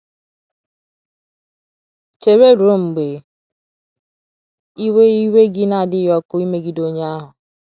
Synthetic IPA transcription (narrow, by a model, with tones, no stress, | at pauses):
t͡ʃe˨ɾe˦ɾo˦ŋ͡m̩˨ɡ͡be˨ | i˦we˦i˦we˦ɡɪ˦na˨dɪ˦jɔ˦ko˦i˦me˦ɡi˨do˦ɲe˦a˦ɦʊ˨